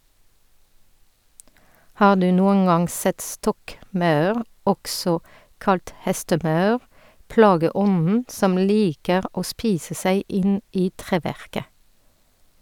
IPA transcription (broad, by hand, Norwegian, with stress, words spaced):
ˈhɑː ˈdʉː ˈnuːəŋ ˈɑŋ ˈsɛt ˈstɔkˌmɑʉʁ ˈɔksɔ ˈkɑlt ˈhɛstəˌmɑʉʁ ˈplɑːɡəˌɔnn̩ ˈsɔm ˈliːkəʁ ˈoː ˈspiːsə ˈsæɪ ˈʔɪn ˈiː ˈtʁeːˌʋæʁkə